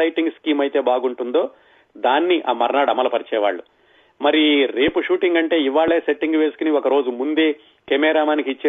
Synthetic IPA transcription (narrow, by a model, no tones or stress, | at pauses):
ɐjʈiŋɡskiːmɐjt̪e̞ːbaːɡuɳʈund̪o̞ː | d̪aːnːiʔaːmɐɾnaːɽɐmːɐlɐpɐɾit͡ʃɛːʋa̰ːɭːu | mɐɾiɾe̞ːpuʂuːʈiŋɡɐɳʈe̞ːiʋaːɭːe̞ːseʈːiŋɡuʋe̞ːsu̥kuniɔkɐɾo̞ːd͡ʒumund̪e̞ː | kemɛːɾaːmaːnikiːt͡ʃːeː